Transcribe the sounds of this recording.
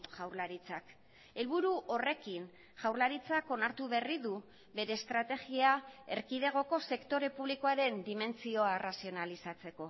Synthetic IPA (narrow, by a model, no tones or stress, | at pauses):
ʝawɾlaɾit͡sak | e̞lβuɾuʔo̞re̞kin | ʝawɾlaɾit͡sako̞naɾt̪uβe̞riðu | βe̞ɾe̞ːst̪ɾat̪e̞ɣiae̞ɾkiðe̞ɣ̞o̞ko̞se̞kt̪o̞ɾe̞puβliko̞aɾe̞nd̪ime̞nt͡sio̞arasio̞nalisat͡se̞ko̞